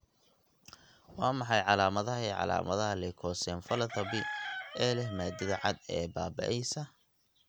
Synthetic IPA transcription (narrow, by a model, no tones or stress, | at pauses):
wɑːmɑħɑjʕɑlaːmɐðɐɦɐiːʕɑ̰la̰ːmʔɐðɐɦɐlɛkʰɔːsɛːnfɐlɐtɐbɪʔɛːlɛhmaːd̪ɪðɐʕɑd̪ɛːbaːbɐ̰ʔɛjsɐ